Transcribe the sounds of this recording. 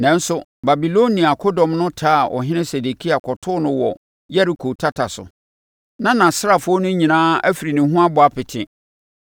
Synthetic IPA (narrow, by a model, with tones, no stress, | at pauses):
nɛ̃˦n̩˦sʊ˦ba˨bi˨lo˦nĩ˨a˨kʰɔ˦dɔ̃˨mnʊ̃˦tʰaː˦˨ʔɔ̰˨ɦɪ̃˦nɪ̃˦se˨de˨kʰi˦a˨kʰɔ˨tʰʊ˦nʊ̃˦wɔ˨ | jɛ˦ɾi˨kʰo˨tʰa˦tʰa˨sʊ̰˨ | nã˦nã˨sɪ˦ɾa˨fʊ˦ɔ˦nʊ̃˦ɲĩ˨nãː˦æ˦fi˨ɾi˨nɪ̃˨ɦũ˦a˦bʊ˨a˦pʰɪ˨tʰɪ̃˨